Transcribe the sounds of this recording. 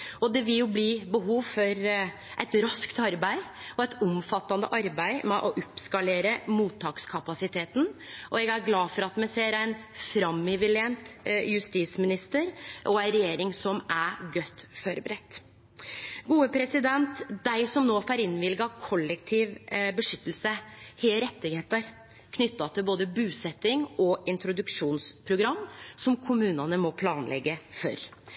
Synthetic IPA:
ɔd̪ɛʋɪljʊbliːbəɦuːʋfɔɾ | ʔæɪt̪ɾɑskt̪ɑɾbæɪɔɛt̪ʰʊmfɑt̪ːɑnd̪ə̰ʔɑɾbæɪmɛʔɔʔɔpskɑleːɾəmuːt̪ʰːɑːkskʰɑpɑsɪt̪ʰeːt̪n̩ʔɔɛɡæɾɡlɑːfɔɾɑt̪mæɪseːɾæɪnfɾɑmːɪʋɪlɪɛnt̪jʉst̪iːsmɪnɪst̪əɾʔɔæɪɾɛjeːɾɪŋsɔmæɡœt̪ːfɔɾbəɾɛt̪ː | ɡuːəpʰɾɛsɪd̪ɛnt̪d̪æɪsɔmnoːfɑɾɪnːʋɪlɡɑkʰɔlːɛk̚t̪ʰiːʋbəʂʏt̪ːəl̩səhɛːəɾɛt̪ːɪɡheːt̪əɾ | kʰnʏt̪ːɑt̪ʰɪlboːd̪əbʉːsɛt̪ːɪŋɔɪnt̪ɾʊd̪ʉkʂuːnspʰɾʊɡɾɑmːsɔmkʰʊmʉːnɑnəmɔpʰlɑːnlʔɛ̰ɡːəfɔ̰ɾ

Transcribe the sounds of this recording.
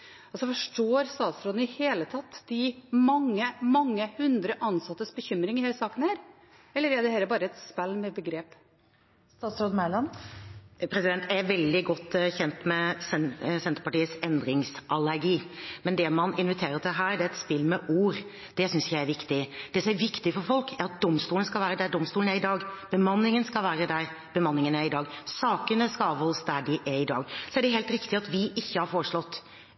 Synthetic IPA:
ɑlsɔfɔʂʈoːɾst̪ɑːt̪sɾoːd̪n̩ɪheːlət̪ʰɑt̪ːd̪ɪmɑŋːəmɑŋːəhʉnd̪ɾəʔɑnsɑt̪ːəsbəçʏmɾɪŋɪheːləsɑːkən̩hæːɾ | ɛlːəɾɛd̪ɛhæːləbɑːɾəɛt̪spælːmɛbəɡɾeːp | st̪ɑːt̪sɾoːd̪n̩mæɪlɑn | pʰɾɛsɪd̪ɛnt̪ɛɾʋɛld̪ɪɡɔt̪ːçɛnt̪mɛsɛsɛnt̪əɾpɑʈiːəsɛnd̪ɾɪŋsʔɑlæɾɡiːmɛnd̪ɛmɑnɪnʋɪt̪ʰeːɾəɾʈ̪ʰɪlɦæːɾɖɛɛt̪spɪlːmɛʔuːɾ | d̪̥ɛsʏnsjæɪæɾʋɪkt̪ɪd̪̥ɛsɔmæɾʋɪkt̪ɪfɔɾfɔlkʰæɾɑt̪̚d̪ɔmst̪uːlnskɑlʋæːɾəd̪ɛd̪ɔmst̪uːlnæɾɪd̪ɑːɡb̥əmɑnːɪŋənskɑlʋæːɾəd̪æɾ | b̥əmɑnːɪŋənæɪd̪ɑːɡsɑːkənəskɑɑːʋɔlsd̪æɖɪʔæɾɪd̪ɑ̰ːɡsɔæɖɛɦeːlt̪ɾɪkt̪ɪɑt̪ʋɪʔɪçːəhɑɾfoːɾəʂɭɔt̪ː

